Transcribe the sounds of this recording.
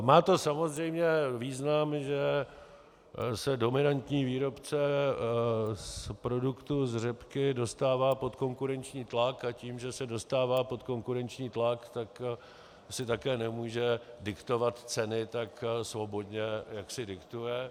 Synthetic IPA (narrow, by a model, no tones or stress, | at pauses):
maːt̪o̞samo̞zrɛjmɲɛviːznamʒɛ | sɛdo̞mɪnant̪ɲiːviːɾo̞pt͡sɛ | spɾo̞dukt̪uzr̝ɛpkɪdo̞st̪aːvaːpo̞t̪ko̞ŋkuɾɛnt͡ʃɲiːt̪lakaciːmʒɛsɛdo̞st̪aːvaːpo̞t̪ko̞ŋkuɾɛnt͡ʃɲiːt̪lakt̪ak | sɪt̪akɛːnɛmuːʒɛdɪkt̪o̞vat̪t͡sɛnɪt̪aksvo̞bo̞dɲɛjaksɪdɪkt̪ujɛ